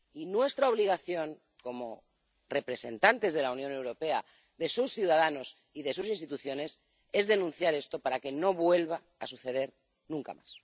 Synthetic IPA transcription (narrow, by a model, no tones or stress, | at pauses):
inwe̞st̪ɾao̞β̞liɣ̞aθjo̞ŋ | ko̞mo̞ | re̞pɾe̞se̞nt̪ant̪e̞zð̞e̞launjõ̞ne̞wɾo̞pe̞a | ðe̞susθjuwðaðano̞s | iðe̞susinst̪it̪uθjo̞ne̞s | e̞zðe̞nũnθjaɾe̞st̪o̞paɾake̞no̞βwe̞lβa | asuθe̞ð̞e̞ɾ | nũŋka̰ma̰s